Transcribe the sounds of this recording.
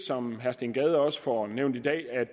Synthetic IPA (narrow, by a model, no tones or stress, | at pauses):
sɒ̽mɦæɐsd̥eŋɡ̥ɛːð̞ˠɒ̽sə̥fɒneʊ̰nd̥id̥ɛ̰ːæ̥